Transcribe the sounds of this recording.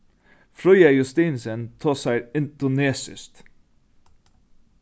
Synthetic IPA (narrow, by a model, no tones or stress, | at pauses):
fɾɔjɑjʉst̪iːnsənt̪ʰoːsæɪɪnd̪ʊneːsɪ̰st̪